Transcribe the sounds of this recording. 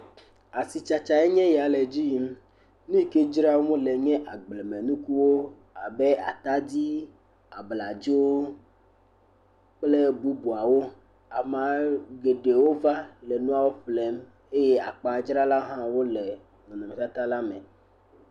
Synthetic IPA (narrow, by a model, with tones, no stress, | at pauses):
a˨si˨t͡ʃa˨t͡ʃa˨e˦ɲɛ̃˦ja˨le˨d͡ʑi˦i˦m˦ | nũ˦i˦˨ke˦d͡ʒɾa˦wmũ˦le˨ɲɛ̃˦ʔa˨ɡ͡ble˨mẽ˨nũ˦ku˦wo˦ | a˨be˦a̰˨t̪a˦di˦ | a˨bla˨d͡ʒi˦wo˦ | k͡ple˦bu˦bu˨a˨wo˦ | a˨mã˨ɡe˨ɖe˨wo˦va˦lɛ˨nũ˦a˦wo˦ɸlɛ˦m | e˦je˦a˨k͡pa˨˦d͡ʒɾa˦la˦ɦã˦wo˦le˨ | nɔ̃˨nɔ̃˨mẽ˨sa˦t̪a˦la˦mẽ˨